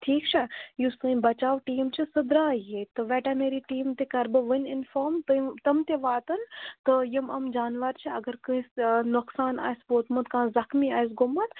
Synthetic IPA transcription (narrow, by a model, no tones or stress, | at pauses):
ʈʰiːkt͡ʃʰajusɨbɐt͡ʃaːʋʈiːmt͡ʃʰisɨd̪ɾaːjet̪ɨʋɛːʈameːɾiʈiːmt̪ekɐɾbɨʋənɪnfoːɾmt̪t̪ɐmt̪eʋaːt̪ɐnt̪ɨjimɐmd͡ʒaːnʋɐɾt͡ʃʰiɐɡəɾkɨĩsnʊksaːna̰ːspoːt̪mɐt̪kãːzɐxmiaːjs̬ɡʊmːɐt̪